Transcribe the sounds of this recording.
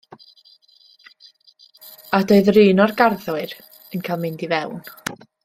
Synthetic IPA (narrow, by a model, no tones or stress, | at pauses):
adoːɨðrɨːnɔrɡarðʊɨɾ | ənkʰajlˠmɪndivɛwn